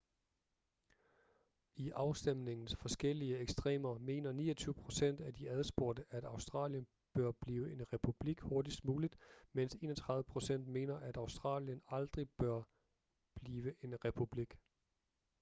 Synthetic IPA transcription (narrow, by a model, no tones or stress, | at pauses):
iʔɑ̈ʊsd̥emne̝ŋn̩sfɒ̽sɡ̥el̰iəeɡ̥sd̥ʁɛ̰ːmɐme̝̰ːnɐnḭːɐt͡sʰyːʊəpʰʁo̝sen̰d̥æd̥iæð̞ˠsb̥o̝ɐd̥əʔæd̥ɑ̈ʊsd̥ʁɑ̰̈ːljən | b̥ɶɐb̥liːʊəʔe̝nʁɛpʰub̥liɡ̥ho̝ɐdisd̥muːlid̥men̰se̝̰ːnɒt͡sʰʁɑ̈ððʋˠəpʰʁo̝sen̰d̥me̝ːnɐʔæd̥ɑ̈ʊsd̥ʁɑ̰̈ːljənɑ̈ld̥ʁib̥ɶɐ | b̥liːʋəʔe̝nʁɛpʰub̥liɡ̥